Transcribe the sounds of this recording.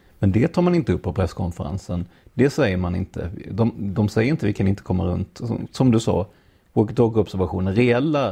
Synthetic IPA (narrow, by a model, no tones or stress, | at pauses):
mɛnd̪ɛt̪ʰɑːmanɪnt̪əɵpːɔpʰɾɛskʰɔnfəɾa̰nsənd̪ɛsɛjːəɾmanɪ̰nt̪ʰə̰d̪ɔmd̪ɔmsɛjːəɾɪnt̪əvɪkʰanɪnt̪ə̥kʰɔmːaɾɵ̰nt̪ɔ̰sɔmd̪ɵsɑ̰ː | okət̪oːɡɔpbsæɾvaɧuːnənɾɛɛlːa